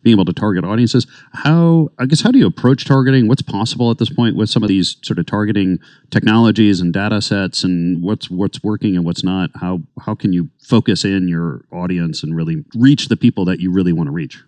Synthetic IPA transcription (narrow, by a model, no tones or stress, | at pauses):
b̥iɪŋeɪbl̩ˠtʰɨtʰɑɹɡɨɾɔɾiɨ̃nsɨz̥ | haʊaɪɡɛshaʊɾɨjɨəpʰɹ̥oʊt͡ʃtʰɑɹɡɨɾɪ̃ŋwʌtspʰɑsəbl̩ˠət̪̚ðɪspʰɔ̃ɪ̃nʔwɨð̥sʌ̃mʌvðiz̥sɔɹɾʌv̥tʰɑɹɡɨɾɪ̃ŋ | tʰɛk̚nɑlˠəd͡ʒizɨ̃n̩deɪɾəsɛtsɨ̃nwʌtswʌtswɜ˞kɪ̃ŋɨ̃nwʌtsnət̚haʊhaʊkʰɨ̃njɨfoʊkɨsɪ̃njə˞ɔɾiɨ̃nsɨ̃n̩ɹɪlˠiɹit͡ʃðɨpʰipl̩ˠðɨt͡ʃɨɹɪlˠiwɑ̃ñəɹit͡ʃ